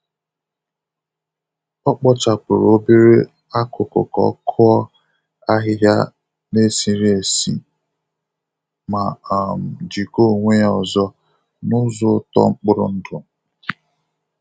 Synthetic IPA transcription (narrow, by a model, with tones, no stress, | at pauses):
ɔ˦k͡pɔ˦t͡ʃa˨pʊ˨ɾo˦be˦ɾe˦ | a˦kʊ˨kʊ̰˨kɔ̰˦kʰʊ˦ɔ˦ | a˦ɦɪ˦ja̰˦ | ne˦si˨ɾe˨sḭ˨ | ma˨m̩˨d͡ʒi˨ko˦˨ŋʷe˦ɔ˨zɔ˦ | nʊ˦zʊ˦tɔ̰˦ŋ͡m̩˦k͡pʊ˦ɾʊ̰˨n̩˦dʊ˨